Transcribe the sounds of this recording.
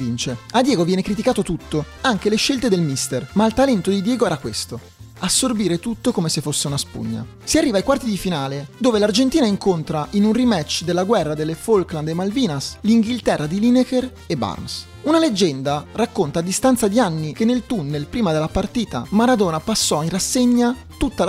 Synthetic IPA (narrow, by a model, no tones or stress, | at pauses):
int͡ʃead̪jɛːɡovjɛːnekɾit̪̬ikaːt̪ot̪ut̪ːo | aŋkeleʃːelt̪ed̪elmist̪ermailt̪alɛnt̪od̪id̪jɛːɡoɛːɾakwest̪o | asːorbiːɾet̪ut̪ːokomesefːosːeunaspṵɲːa̰ | siarːiːvajkwart̪id̪ifinaːled̪oːvelard͡ʒent̪iːnaiŋkont̪ɾaʔinunrimɛt͡ʃːd̪elːaɡwɛrːad̪elːefolkland̪emalviːnasliŋɡilt̪ɛrːad̪ilineker | eba̰rms | unaled͡ʒːɛnd̪arakːont̪aːd̪ːist̪ant̪sad̪ianːikenːelt̪unːelpɾiːmad̪elːapart̪iːt̪a̰maɾad̪oːnapasːɔinrasːeɲːa | t̪ut̪ːa